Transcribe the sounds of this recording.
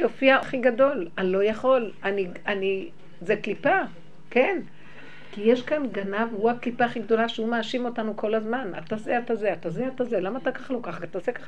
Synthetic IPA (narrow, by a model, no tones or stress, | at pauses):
jofiaaχiɡado̞lalo̞jaχo̞lani | ani | zeklipa | ken | kijeʃkanɡanavuaklipaχiɡdo̞laʃehumaːʃimo̞tanuko̞lazmana̰t̪azeatazeatazeatazelamaːt̪akaχalokaχaat̪azeka